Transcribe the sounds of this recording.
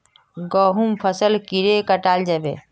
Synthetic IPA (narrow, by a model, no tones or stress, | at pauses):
ɡəɦumpʰəsəlkiɾekəʈald͡ʒabḛ